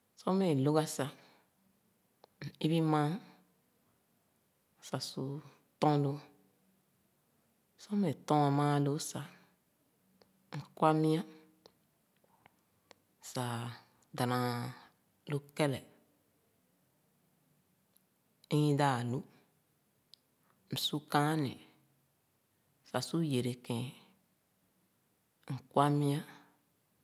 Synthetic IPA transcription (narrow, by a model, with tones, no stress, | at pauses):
sɔ˦me˨lo˦ɡa˦sa˨ | n̩˨i˦bi˦mã˦˨ | sa˨su˨ | tɔ̃˦lo˧ | sɔ˦me˨tɔ̃˦ã˨mã˦lo˦sa˨ | ŋ̩˨kwa˦mĩ˦ã˦˨ | sa˨ | da˨nã˨ | lo˦kɛ˦lɛ˨˦ | jĩ˦daː˦˨lu˦ | m̩˨su˦kã˦nḭ̃˨ | sa˨su˦je˨ɾe˨kɛ̃˨ | ŋ̩˨kwa˦mĩ˦ã˦